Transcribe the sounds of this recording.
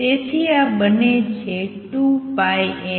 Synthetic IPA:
et̪ʰiabənet͡ʃʰeʈupajẽ

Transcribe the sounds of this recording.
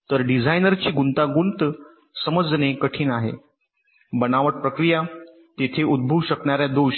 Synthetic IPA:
t̪əɾɖid͡zʱajnəɾt͡ɕiːɡunt̪aɡunt̪ | səməd͡znekəʈʰiːnaɦḛ | bənaʋəʈ̚pɾəkɾija | t̪et̪ʰeud̪̚bʱuwɕəkɳjaɾjad̪oɕ

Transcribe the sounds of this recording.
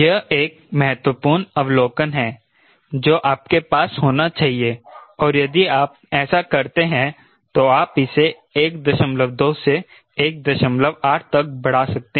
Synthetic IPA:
jɐeːk̚ | mɐɦɛt̪wəpuːɾnɐʋloːkənɦɛ̃ː | d͡ʒoːʔaːp̚kepaːshoːnat͡ʃaːɦieɔːɾjɐd̪iaːp̚ | ɛːsakɐɾt̪eɦɛ̃ | t̪oaːpɪse | eːkd̪ɐʃə̃mləʋd̪oːse | eːk̚d̪ɐʃə̃mləʋaːʈʰt̪ɐk̚bɐɽ̤asɐk̚t̪e

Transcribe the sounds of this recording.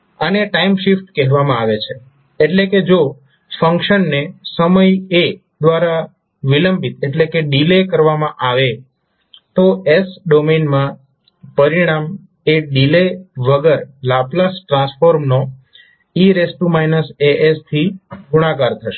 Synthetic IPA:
əneʈaimʃifʈkɛɦʋamãaʋet͡ʃʰe | eʈleked͡ʒo | fəŋkʃənːesəməje | d̪ʋaɾa | ʋiləmbʱit̪eʈlekeɖilekəɾʋamãʔaʋe | t̪oesɖomenmã | pəɾiɽ̃am | eɖileʋəɡəɾlaplasʈɾãsfoɾmno | iɾesʈumainəseʔest̪ʰiɡʱuɽ̃ãkaɾt̪ʰəʃe̥

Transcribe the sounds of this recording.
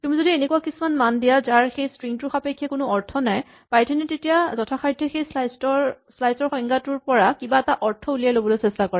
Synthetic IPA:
kimũzodienekuakisumanmandijazaɹxejstɹiŋtʊɹxapekʰːjɛkʊnʊɔɹtʰɔnaj | pajtʰɛnɛtetijazɔtʰaxʰajdʱːɔxejslajstɔɹslajsɔɹxɔj̃ŋɡatʊɹpɔɹakibaɛtaʔɔɹtʰɔulijalobɔlojsɛstakɔɹɛ

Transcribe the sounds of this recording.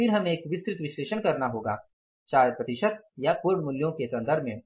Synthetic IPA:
fɪɾɦɐmẽːkʋɪskɾɪt̪ʋɪʃleːʃənkɐɾnaɦoːɡa̰ː | t͡ʃaːjəpɾɐt̪ɪʃət̪̚japʊɾɳmʊljõkesɐ̃nd̪ʱəɾmẽ

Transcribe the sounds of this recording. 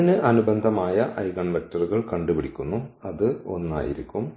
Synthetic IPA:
nɨʔɐnubɐnd̪ʱɐmaːjɐʔɐjɣɐɳʋe̞k̚tɐruɣɐɭkɐɳɖupiɽikʲːunːuɐðɨo̞̰nːa̰ːjḭɾikʲːum

